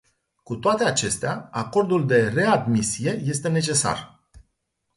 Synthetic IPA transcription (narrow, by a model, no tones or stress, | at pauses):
kut̪oat̪e̞at͡ʃe̞st̪eaako̞rd̪uld̪e̞re̞ad̪misije̞je̞st̪e̞ne̞t͡ʃe̞sa̰r